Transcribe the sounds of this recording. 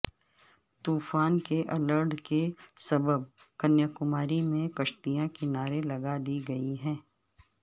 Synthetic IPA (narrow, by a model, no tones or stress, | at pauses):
t̪uːfaːnkeʔɐləɾɖkesɐbəb̚ | kɐnjəkʊmaːɾimẽkɐʃt̪ijãkɪnaːɾelɐɡad̪iːɡɐiɦɛ̃ː